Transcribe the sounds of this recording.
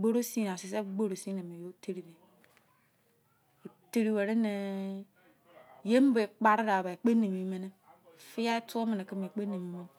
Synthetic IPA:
ɡ͡bo˦ɾo˦si˦n˨a˨si˨s̬e˦ɡ͡bo˦ɾo˨si˦ne˨me˨jo˦te˦ɾi˨ne˨ | te˦ɾi˦we˨ɾe˦ne˨ | je˦m˦be˨k͡pa˦ɾɡa˨ba˨k͡pe˦ne˨mi˨˦me˦ne˦˨ | fi˦ja˦e˦tu˦o˦me˨ne˨ki˦mi˨k͡pe˦ne˨mi˦mo˦

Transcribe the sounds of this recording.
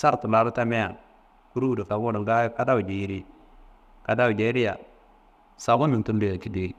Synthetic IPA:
sa˦ɾtu˨la˨˦ɾu˦ta˦me˦ja̰˨n | ku˦ɾu˦˨du˨fa˨ɡu˦nu˨ɡa˦jka˦da˦wu˨d͡ʒi˨ji˦ɾi˦ | ka˨da˦wu˨d͡ʒe˨i˦ɾi˦ja̰˨ | sa˨ɡu˦ni˨ntu˦n˦di˦˨ja˨ki˦de˨i˨

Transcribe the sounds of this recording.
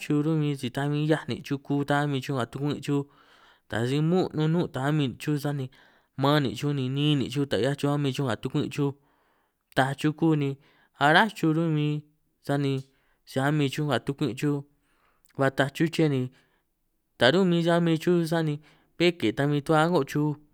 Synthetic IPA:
t͡ʃu˧ɾũ˦mĩ˧t͡ʃi˧t̪a˧mĩ˧˦ja˦nḭ̃˨t͡ʃu˦ku˦t̪a˦a˦mĩ˧t͡ʃu˦ŋ˧ɡa˨t̪u˧kʷĩ˦ʔt͡ʃu˦ | t̪a̰˨si˧mũ˦nũ˧nũ˦˧t̪a˨a˦mĩ˧t͡ʃu˦s̬a˦nĩ˧ | mã˦nḭ̃˨t͡ʃu˦nĩ˧nĩː˦nḭ̃˨t͡ʃu˦t̪a˨˧ja˦t͡ʃu˧a˦mĩ˧t͡ʃu˦ŋ˧ɡa˨t̪u˧kʷḭ̃˦˧t͡ʃu˦ | t̪a˧t͡ʃu˦kuː˦˧nĩ˧ | a˧ɾa˦t͡ʃu˧ɾũ˦˧mĩ˧˦ | sa˦nĩ˧ | t͡ʃi˧a˦mĩ˧t͡ʃu˦ŋɡa˨t̪u˧kʷḭ̃˦˧t͡ʃu˦ | βa˧t̪a˧t͡ʃu˦t͡ʃe˦˨nĩ˧ | t̪a˨ɾũ˦˧mĩ˧sa˦mĩ˧t͡ʃu˦s̬a˦nĩ˧ | βe˦ke˨t̪a˧mĩ˧t̪u˦a˦ŋɡo˦ʔt͡ʃu˦

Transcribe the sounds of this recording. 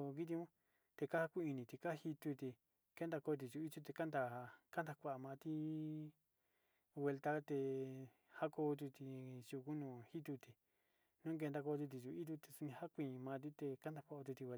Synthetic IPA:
ki˦t̪̬i˧˦ũ˦ | t̪e˧ka˦ha˦kʷi˦i˧nĩ˧t̪i˧ka˦hi˧t̪u˧t̪i˧ | ke˦nd̪a˧ko˧t̪̬i˧˨t͡ʃu˧˦i˦t͡ʃ̪u˦t̪e˧ka˦nd̪a˧ka˦nd̪a˧kʷa˧˨mã˧t̪i˦ | we˧lt̪a˦˧t̪e˧ | ha˦ko˧t̪u˧t̪i˧t͡ʃu˧ku˦nũː˧˨hi˦t̪u˧t̪i˧ | nũ˦k̬e˧nd̪a˧ko˧t̪̬u˧t̪̬i˨t͡ʃu˧i˦t̪̬u˦t̪e˧su˧nĩ˧ha˦kʷĩ˧˨˧mã˧t̪̬i˦t̪e˧ka˦nd̪a˧kʷa˧o˧t̪̬u˧t̪i˧a˧

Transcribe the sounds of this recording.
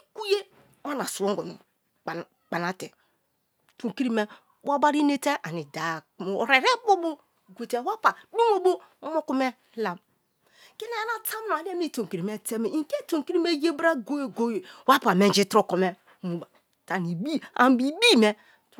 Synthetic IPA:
ku˦je˦ | a˦na˨su˨wo˦ŋ˨ɡo˨m˨ | k͡pa˨na˦te˨ | to˨ki˦ɾi˦me˦ | wa˦ba˦ɾi˦ne˦te˦ʔa˨ni˨da˨ɾe˨ɾe˦bo˦bo˦ | ɡʷe˨te˦wa˦pa˨di˦mo˦bo˦o˦mo˦ku˦me˦la˨m | ke˦ne˦a˦na˨ta˦m˦˨a˨le˦mi˦˨to˨ŋki˨ɾi˨me˦te˦me˨i˨ŋ˨ke˦to˨ki˦ɾi˦me˦je˦bɾa˦ɡo˦je˨ɡo˦je˨wa˦pa˨me˦n˦d͡ʒi˦tɾo˦˨ko˨me˦ | mu˨ba˨ | ta˨ni˨bi˦a̰˨˦bi˨bi˦˨me˦

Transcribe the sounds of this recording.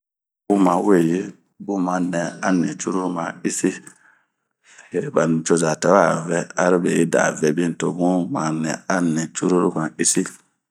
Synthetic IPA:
bu˦ma˨we˨ji˦ | bu˦ma˨nɛ˨a˦ni˨t͡ʃu˦ɾu˦ɾu˦ma˨i˦si˦˨ | he˨ba˨n˨t͡ʃo˦za˨tɛ˨wa˦˨vɛ˦a˦ɾi˦be˨ji˦da̰˨vɛ˨bi˦n˨to˨bu˦ma˨nɛ̰˨a˦ni˨t͡ʃu˦ɾu˦ɾu˦ka˨i˦si˦

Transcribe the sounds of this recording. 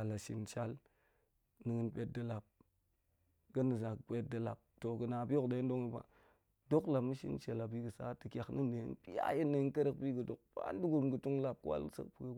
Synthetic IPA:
a˨la˨ʃi˨nt͡ʃa˦l | nɨ˨ɡə˦npe˦t̚də˨la˨p̚ | ɡə˦nə˨za˨kpe˦t̚də˨la̰˨p̚to˨ɡə˨na˨bi˦o˦kde˨˦n˦do˦ŋi˦ba̰˨ | do˦kla˨mu˦ʃḭ˦nt͡ʃe˨la˨bi˦ɡə˨sa̰˦tə˨kʲa˨kni˦nde˨ḭ˦npi˦ja̰˦ji˦nːe˨˦n˦kə˦ɾə˨kbi˦ɡə˨do˨k̚pa̰˦n˦du˦ɡu˨ɾmɡə˨tu˦ŋla˨p̚kwa̰˦lsə̰˦k̚pə˨ke˦

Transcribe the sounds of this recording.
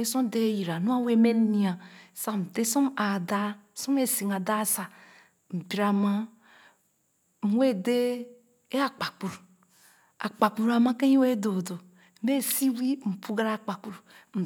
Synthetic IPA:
e˦so˦n˦de˦ji˨ɾa˨nu˦a˦˨we˦me˦n˦ni˨a˨sa˨m̩˨te˦so˦ma˨da˦˨so˦m˦e˦˨si˨ŋ˨a˨da˦sa˨ | m̩˨bi˨ɾa˨ma˦ | m̩˨we˦de˦ | e˦a˨k͡pa˨k͡pu˨ɾ | a˨k͡pa˨k͡pu˨ɾa˨ma˦ke˦i˦we˦do˨do˨ | m̩˨˦be˦˨si˦wi˦m̩˨pu˦ɡa˦ɾa˦˨k͡pa˨k͡pu˨ɾu˨m̩˨

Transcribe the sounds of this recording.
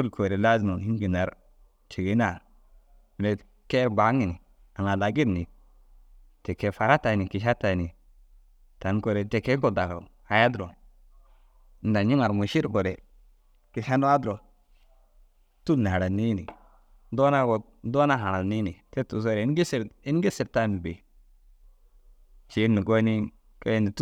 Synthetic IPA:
u˦lkʰo˨ɾe˨la˦zi˨mo˨i˦ŋ˦ɡi˨na˨ɾ | t͡ʃi˨ɡi˨˦na˨ɾ | le˨ | ke˦ɾba˨˦ŋi˨ni˨ | a˨ŋa˨la˨ɡi˦ɾni˨ | te˨ke˨fa˨ɾa˦ta˨ni˨ki˨ʃa˦ta˨ni˨ | ta˨nko˨ɾe˨te˨ke˦ɡo˦da˨ko̰˨ | a˨ja˦dɾo˨ | n̩˨da˨ɲi˦ŋa˨ɾmu˨ʃi˦ɾɡo˨ɾe˨ | ki˨ʃa˦no˦a˦dɾo˨ | tu˦lni˨ha˨ɾa˨ni˦nḭ˨ | do˦na˦ɡo˨˦ | do˦na˦ɦa˨ɾa˨ni˦ni˨te˦tu˨s̬o˦ɾe˨˦n˦ɡe˦se˨ɾi˦n˦ɡe˦se˨ɾta˦mi˨be˨ | t͡ʃi˨˦ni˨ɡo˦ni˦ | ko˦je˦ni˨t

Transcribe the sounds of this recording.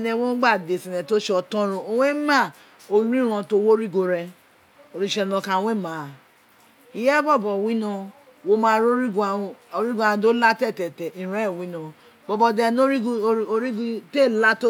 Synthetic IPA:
nɛ˨wo˦n̩˦ɡ͡ba˦˨de˨si˨nɛ˨to˦ʃɔ˧tɔ̃˦ɾo˧o˨we˦ma˦˨ | o˨˦ɾĩ˦ɾ̃ɔ̃˧to˦wo˦ɾi˦ɡo˧ɾɛ˧ | o˨ɾi˦ʃɛ˧nɔ̃˧ka˨˦we˦ma˨ | i˨jɛ˦bɔ˦˨bɔ˨wi˦nɔ̃˧ | wo˦mã˨˧ɾo˦ɾi˦ɡa˨˦ɾi˦ɡʷã˨do˦la˦tɛ˦˨tɛ˨tɛ˨i˨ɾɛ˦˨wĩ˦nɔ̃˨ | bɔ˨bɔ˧dɛ˧no˦ɾi˦o˦ɾi˦ɡte˦˨la˦to˦

